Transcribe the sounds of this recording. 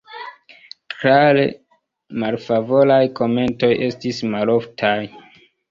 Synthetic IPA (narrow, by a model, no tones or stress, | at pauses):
tɾalḛ | malfavo̞lajko̞me̞nto̞jʔe̞stismalo̞ftʰaj